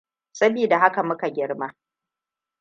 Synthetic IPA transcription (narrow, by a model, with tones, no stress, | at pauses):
sɐ˦biː˨da˨ɦa˦ka˨mʊ˦ka˨ɡʲɪ˦rma˦